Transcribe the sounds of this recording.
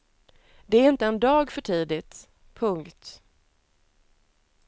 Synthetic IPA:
d̪ɛæɾɪnt̪əɛnd̪ɑːɡfœʈʰiːd̪ɪt̪ | pʰɵŋkt̪

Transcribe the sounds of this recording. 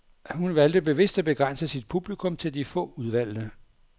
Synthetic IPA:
hunʋæld̥əb̥e̝ʋe̝sd̥æb̥e̝ɡ̥ʁan̰səsid̥̚pʰub̥likʰɔ̽mt͡sʰe̝ld̥ifɔ̰̽ːuðˠʋæl̰d̥ə

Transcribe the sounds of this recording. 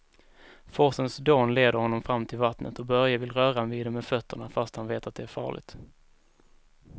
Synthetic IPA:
fɔsənsd̪oːnleːd̪əɾhɔnːɔmfɾamːt̪ʰɪlvat̪nʔə̰t̪ɔbœɾjavɪlɾœːɾaanviːd̪ɛmɛfœt̪ʰːəɳafast̪hanveːt̪at̪̚d̪ɛæɾfɑ̰ːɭɪ̰ɡt̪

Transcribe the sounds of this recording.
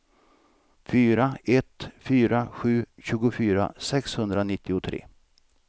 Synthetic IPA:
fyːɾaɛt̪fyːɾaɧʉ̟ːɕʉ̟ːɡʊfyːɾa̰sɛkshɵnd̪ɾanɪt̪ʰːɪʊt̪ʰɾḛː

